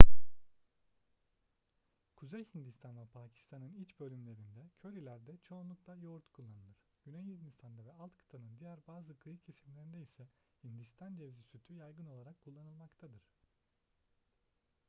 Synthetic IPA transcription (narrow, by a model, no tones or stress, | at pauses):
kʰuzejhind̪ist̪ʰanvɛpʰaːcʰi̥st̪ʰanɯnit͡ʃbø̞lʲymlʲe̞ɾind̪ɛcʰø̞ɾilʲæɾd̪ɛt͡ʃʰo̞ːnlˠuklˠajo̞ɾt̪kʰulˠːanɯlˠɯɾ̥ɟynejhind̪ist̪ʰand̪avɛalˠt̪kʰɯ̥t̪ʰanˠɯnd̪ijæɾbaːzɯkʰɯjɯcʰesimlʲe̞ɾind̪ɛisɛ | hind̪ist̪ʰand͡ʒevzisyt̪ʰyjajɡɯno̞lˠaɾakkʰulˠːanɯlˠmakt̪ʰad̪ɯɾ̥